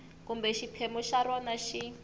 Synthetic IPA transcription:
kumbɛʃipʰemuʃaɾɔnaʃi

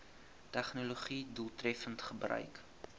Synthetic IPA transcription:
tæχnoloχiduːlˠtrɛfəntχəbrœ̰ɥk

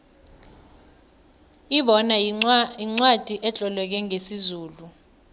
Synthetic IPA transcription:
iɓɔnaiŋ͡ǀwad̥ʱiʔɛt͡ɬʼɔlwɛk̬ɛŋesizuːlu

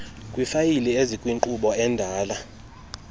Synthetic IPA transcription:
kʼwifajiliezikʼwiŋǃuɓɔɛndʱaːla

